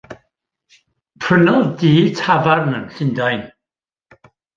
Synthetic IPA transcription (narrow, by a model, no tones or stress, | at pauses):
pʰrənɔdiːtʰavarnəmɬɪndajn